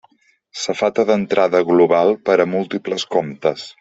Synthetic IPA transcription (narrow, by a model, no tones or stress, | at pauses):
səfat̪əðənt̪ɾʔaðəɣluβalˠpəɾəmulˠt̪ipləskomt̪əs